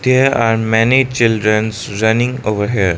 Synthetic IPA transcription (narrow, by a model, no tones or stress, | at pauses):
d̪̥eːɾaːɾmɛnit͡ʃɪlɖɾə̃ns | ɾʌnɪ̃ŋɡoːʋəɾɦeːɾ